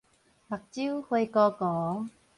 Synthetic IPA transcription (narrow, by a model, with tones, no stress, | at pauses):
mɐ˨˩k̚t͡si˥whɵ˧jkɔː˧kɔː˨˦ŋ